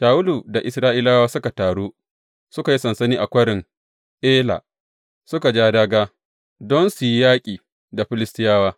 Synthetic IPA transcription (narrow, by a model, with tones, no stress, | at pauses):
ʃaː˨wʊ˦luː˨da˨ʔɪ˨sɾaː˦ʔiː˦laː˦waː˦sʊ˦ka˨taː˨ɽuː˦ | sʊ˦ka˨ji˦sɐ˨nsɐ˦niː˦ʔa˨kʷɐ˦ɽɪ˨ŋ | ʔeː˦la̰ː˨ | sʊ˦ka˨d͡ʒaː˦daː˦ɡaː˦ | dɔ˦nsu˨ji˦jaː˦kʲʼiː˨ | da˨ɸɪ˦lɪ˦stɪ˦jaː˦waː˦